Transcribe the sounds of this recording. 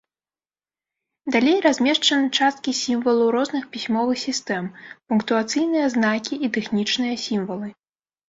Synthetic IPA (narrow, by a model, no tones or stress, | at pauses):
d̪alʲejrazʲmʲɛʂt͡ʂɐnɨt͡ʂast̪̚kʲisʲimvɐlˠuɾɔznɨxpʲisʲmɔvɨxsʲist̪ɛmpunkt̪uat̪sɨjnɨjɐznakʲiit̪ɛxnʲit͡ʂnɨjɐsʲimvɐlˠɨ